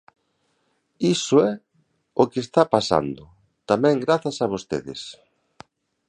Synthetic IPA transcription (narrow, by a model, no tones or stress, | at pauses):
isʊɛ | okest̪apasa̰nd̪ʊ | t̪amɛ̃ŋɡɾaθasaβost̪ḛðɪ̰s